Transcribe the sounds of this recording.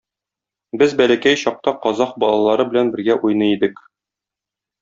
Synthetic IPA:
bɘzbælækæjɕɒq̚t̪ɑqɒzɑq̚bɒlˠɑlˠɑɾɤbɘ̆lænbɘ̆ɾɡæʔujnɤid̪ɘk

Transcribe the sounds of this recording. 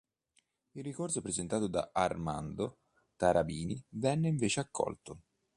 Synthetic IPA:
irːikorsopɾezent̪aːt̪od̪a̰ʔarma̰nd̪o | t̪aɾabiːnivɛnːeiɱveːt͡ʃeakːɔ̰lt̪ʊ

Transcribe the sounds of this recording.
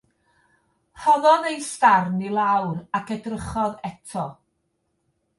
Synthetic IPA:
hɔðɔðejstarnilˠawɾakʰədrəχɔðɛtʰɔ

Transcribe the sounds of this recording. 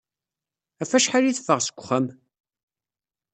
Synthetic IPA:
æfæʃħaɾiθəfəʁsə̥kʷːʊ̥χəm

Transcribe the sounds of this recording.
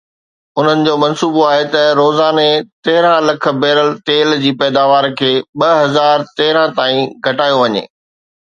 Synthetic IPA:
ʊn̤ənɪ̆d͡ʑoːmɐ̃nsuːboaːɦet̪ɐɾoːzaːnet̪eɦɪɾãlɐk̆ʰbɛːɾəlt̪eːld͡ʑiːpɛːd̪aːʋaːɾkʰeːɓɐɦɐzaːɾt̪eːɪɾãt̪aːĩɡʱɐʈaːjoʋɐɲḛː

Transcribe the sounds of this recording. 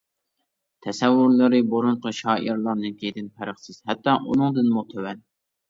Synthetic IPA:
t̪ʰɛsɛwːuɾlˠɨɾɨboɾuɴqʰɑʃɑːʔiɾlˠɑnɨkʲʰed̪ɪnpʰæɾəχsɪz̥hɛt̪ːɑʔunɨŋd̪ɨnmut̪ʰøwɛn

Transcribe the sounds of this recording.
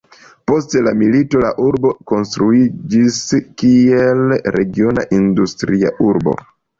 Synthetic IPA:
po̞stelamilito̞laʔuɾbo̞ko̞nstɾuid͡ʒiskielɾe̞ɡio̞na̰ʔindustɾia̰ʔuɾbo̞̰

